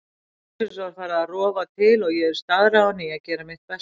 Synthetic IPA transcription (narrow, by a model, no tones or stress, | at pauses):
ɪɾsvaɾ̥faːɾaðarɔːvat̪ʰɪlɔɣjɛðɪɾ̥st̪aðɾawniacɛːɾamɪht̪pɛ